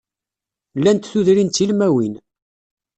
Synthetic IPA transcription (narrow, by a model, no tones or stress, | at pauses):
lːænt̪θuðɾint̪ːilmæwin